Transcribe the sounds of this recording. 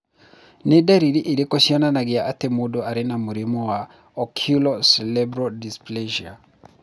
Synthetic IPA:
nedaɾiɾiʔiɾekɔsiananaɡɪaʔːtɛmudɔaɾɪnamuɾimɔwa | ɔkʰulɔsɛlɛbɾɔdisplɛʒia

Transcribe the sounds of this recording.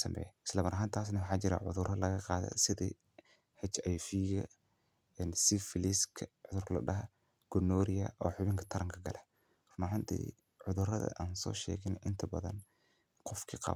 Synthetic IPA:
sɐmbɛ̰jɪ̥slɐmɐɾɐɦaːnt̪ʰaːsnɐwʊħɑːt͡ʃɪɾa̰ʕʊ̰ðʊrɐlɐɣɐqɑːðɛ̰sɪðḭ | hɛt͡ʃɐjfiːɣɐ | ɛnsɪfɪliskʰʕʊðʊrklɐ̰ɖɐɦɐ | ɡ̥ʊnːɔːɾɪjɐ̰ʔɔːħʊβɪŋkʰɐ̥t̪ʰɐɾɐŋkʰɐɡɐlʔɛ | rʊmɐɦant̪ʰḭː | ʕʊðʊrɐðɐ̰ʔaːnsɔ̰ːʃɛ̰ːɣɪnɪnt̪ʰɐbɐðɐ̰n | qɔfkʰiqɑ̰

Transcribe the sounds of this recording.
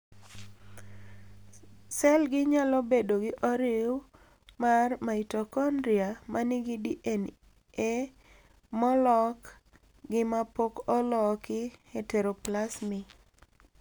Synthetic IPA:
sɛlɡɪɲalɔbedoɡɪʔɔɾɪw | marmaitokɔndɾiamanɪɡidiʔen | e | mɔlɔk | ɡɪmapokɔlɔkɪheteɾoplasmɪ

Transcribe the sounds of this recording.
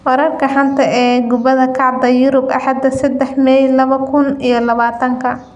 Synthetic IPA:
wɐɾɐrkʰɐħɑnt̪ʰɐʔɛːɡʊbɐðɐkʰɑʕd̪ɐjʊɾʊbʔɑ̰ħɑd̪ːɐsɐd̪ɛħmɛjlɐβɐkʰʊnijɞlɐβaːt̪ʰɐŋkʰɐ

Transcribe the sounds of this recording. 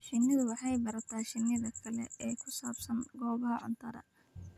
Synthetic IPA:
ʃɪnːɪðʊwɑħɑjbɐɾɐt̪ʰaːʃɪnɪðɐkʰɐlɛɛːkʰʊsaːbsɐŋɡɔːβɐɦɐʕʊ̰nt̪ʰɐɾɐ̰

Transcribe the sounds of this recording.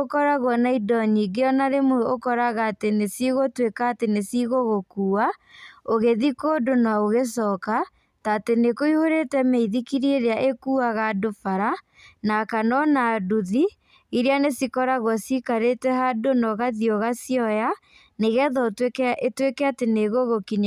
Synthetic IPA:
okɔɾaɣwɔnaidɔɲiɡeɔnaɾemookɔɾaɣaːtenesiɣotwekaːtenesiɣoɣokuːaoɣeðikoːdonaoɣesɔka | taːtenekoihoɾetɛmeiðikiɾieɾeaʔekuːaɣadofaɾa | nakanɔnaduði | iɾianesikɔɾaɣwɔsikaɾetɛɦadonɔɣaðiɔɣasiɔja | neɣɛðɔtetwekɛateneɣoɣokiɲ

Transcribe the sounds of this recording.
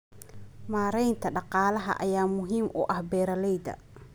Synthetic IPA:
maːɾɛjnt̪ʰɐɖɑqɑːlɐɦɐ̰ʔɐ̰jaːmʊɦiːmʔʊ̰ʔɐhbɛːɾɐlɛjd̪ɐ̰

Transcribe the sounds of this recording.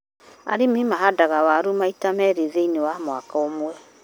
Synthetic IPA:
a̰ɾememaɦadaɣawaɾumaitamɛɾeðeinewamwakaomwɛ

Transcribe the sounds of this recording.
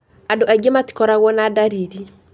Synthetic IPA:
adoɛɡemati̥kɔɾaɣwɔnadaɾiɾi

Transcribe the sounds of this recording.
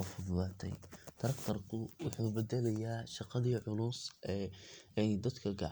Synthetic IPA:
ɐfʊðlaːt̪ʰɛ̰jt̪ʰɐɾɐkt̪ʰɐrkʰʊwʊħuːbɛd̪ɛlɐjaːʃɑqɑðiːʕʊlʊːsʔɛɛjd̪ɐd̪kʰɐɡɑ̰ʕ

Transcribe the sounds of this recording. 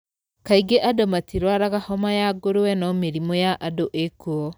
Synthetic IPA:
kaiɡeʔadomatiɾwaɾaɣahɔmajaɡoɾowɛnɔmeɾimɔjaʔadoʔekuɔ

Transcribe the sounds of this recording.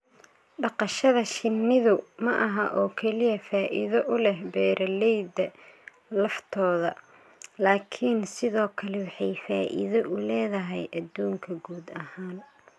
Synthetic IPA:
ɖɑqɑʃɐðɐʃɪnːɪðʊmɐʔɐɦɐʔɔːkʰɛlɪjɐfaːʔɪ̰ðɐʔʊlɛhbɛːɾʔɐlɛjd̪ɐ | lɑħt̪ʰɔːðɐ | laːkʰinsɪðɔːkʰɐlɛwɑħɑjfaːʔɪ̰ðɔʔʊlɛːðɐɦɛjʔɐd̪uːŋkʰɐɡuːd̪ɐhaːn

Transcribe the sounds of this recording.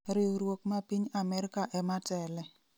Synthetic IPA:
ɾɪɾwokmapiɲamɛɾkaʔɛmatɛlɛ

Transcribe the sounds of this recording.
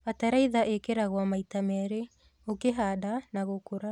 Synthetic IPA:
ataɾaiðaʔekeɾaɣwamaitamɛɾe | okeɦaːdanaɣokoɾa

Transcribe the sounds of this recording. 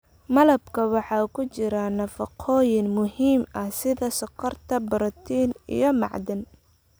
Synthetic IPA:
mɐlɐbkʰɐwɑħɑːkʰʊt͡ʃɪɾɐnɐfɐqʰɔːjɪnmʊhiːmɐsɪðɐsʊqɐrt̪ʰɐbɐɾɔt̪ʰiːnḭjɞmɑ̰ʕd̪ɪn

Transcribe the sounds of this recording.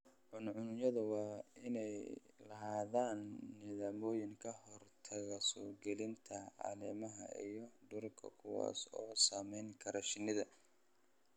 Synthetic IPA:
ʕʊnʕʊnʊjɐðʊwɑːɪnɛjlɐɦaːðaːnːɪðaːmɔːjɪŋkʰɐhɔrt̪ʰɐɣɐsɔːrɡɛlɪnt̪ʰɐa̰lɛːmɐɦɐ̰ʔḭjɔd̪ʊrkʰɐ̰kʰʊwɑ̰ːsɔːsaːmɛjŋkʰɐɾɔʃɪnɪðɐ

